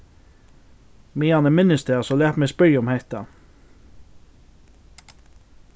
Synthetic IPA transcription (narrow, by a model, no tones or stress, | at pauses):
meːɑnəmɪnəst̪ʰeːɑsɔlæːt̪meːspœʏɔmhæt̪ɑ